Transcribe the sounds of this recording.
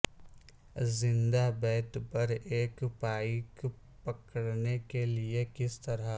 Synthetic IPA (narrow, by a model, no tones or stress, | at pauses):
zɪ̃nd̪abɛːt̪pɐɾeːkpaːik | pɐkəɽnekeliekɪst̪ɐɾa